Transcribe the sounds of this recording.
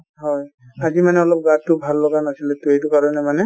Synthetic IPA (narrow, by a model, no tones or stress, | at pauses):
ɦɔj | azimanɛɔlɔp̚ɡattːʊbʱalːɔɡanasilɛt̪ʊejtʊkaɹɔnɛmanɛ